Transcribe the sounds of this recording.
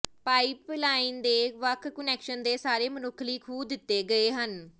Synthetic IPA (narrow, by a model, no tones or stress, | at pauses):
paːiplaːind̪eːʋəkʰkənɛːkʃənd̪eːsaːɾeːmənʊkʰliːkʰuːd̪ɪt̪ːeːɡəeːɦən